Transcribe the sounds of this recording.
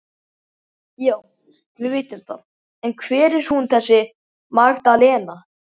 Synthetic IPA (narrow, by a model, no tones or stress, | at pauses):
jaːw | vɪvɪːjt̪ɪmθʰa̰ð | ɛnkʰvɛːɾɪɾ̥hunθɛsːɪ | maɣt̪alɛːna